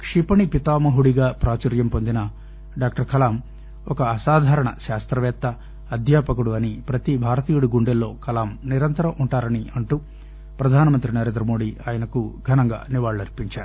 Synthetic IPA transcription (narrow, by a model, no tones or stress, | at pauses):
kʂipɐɳipit̪aːmɐɦuɽiɡaːpɾaːt͡ʃɐɾjɐmpond̪inɐ | ɖaːk̚ʈɐɾkʰɐlaːm | ɔkɐːsaːd̪ʱaːɾɐɳɐ̰ʃaːst̪ɾɐʋɛːt̪ːɐː | d̪ʱjaːpɐkuɽuɐnipɾɐt̪ibʱaːɾɐt̪iːjuɽuɡuɳɖelːo̞̰ːkʰɐlaːmniɾɐnt̪ɐɾɐmʔuɳʈaːɾɐniɐɳʈu | pɾɐd̪ʱaːnɐmɐnt̪ɾinɐɾe̞ːnd̪ɾɐmo̞ːɽiaːjɐnɐkuɡʱɐnɐŋɡa̰ːniʋaːɭuɐɾpiɲt͡ʃaːɾu